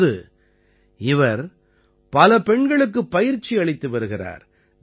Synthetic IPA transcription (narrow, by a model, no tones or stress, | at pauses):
ðɯ | ɪʋɐɾ | pɐlɐpɛɳɡɐɭɯk̬ːɯpːɐjɪɾt͡ʃːiɐɭɪt̪ːɯʋɐɾɯɣɪra̰ːɾ